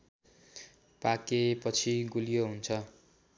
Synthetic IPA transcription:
pakepʌt͡sʰiɡulijoɦunt͡sʰʌ

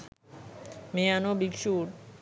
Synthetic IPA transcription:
meanobikʃuʈ

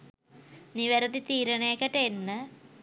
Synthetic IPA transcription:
niʋɐɾɐt̪it̪iːɾɐɳeːkɐʈɐenːɨ

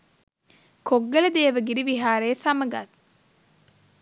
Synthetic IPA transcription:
kʰoɡːɐlɐd̪eːʋɐɡiɾiʋiɦaːɾeːsɐmɐɡat̪

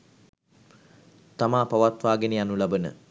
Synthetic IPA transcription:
t̪amaːpɐʋat̪ʋaːɡenejanulabənə̰

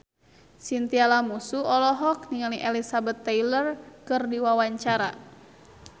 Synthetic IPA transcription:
sint̪ialamusuɔlɔɦɔk̚niŋaliʔɛlisabɛt̪ːɛjlərkɨrdiwawaɲt͡ʃaɾa

